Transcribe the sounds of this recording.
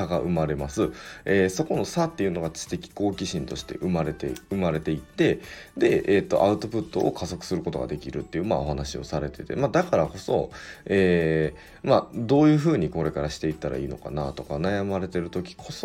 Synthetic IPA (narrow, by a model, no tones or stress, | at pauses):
aɡaʔɯ̟maɾe̞masɨeːso̞ko̞no̞sat̪ːe̞jɯ̟no̞ɡat͡sɨ̥t̪e̞kʲi̥ko̞ːkʲiɕĩnt̪o̞ɕi̥t̪e̞̰ʔɯ̟maɾet̪ḛɯ̟maɾe̞t̪e̞it̪ːe̞d̪e̞eːt̪ːo̞̰ʔaɯ̟t̪o̞pɯ̟t̪ːo̞ʔːkazo̞kɯ̟̥sɨɾɯ̟ko̞t̪o̞ɡa̰d̪e̞kʲiɾɯ̟t̪ːe̞iɯ̟ːmao̞ɦanaɕio̞̰saɾe̞t̪e̞t̪e̞̰mad̪akaɾako̞so̞̰eː | mad̪o̞ːjɯ̟ːɸɯ̟ːɲ̟iko̞ɾe̞kaɾaɕi̥t̪e̞it̪ːaɾa̰iːno̞̰ka̰na̰t̪o̞kanajamaɾe̞t̪e̞ɾɯ̟t̪o̞kʲi̥kʰo̞so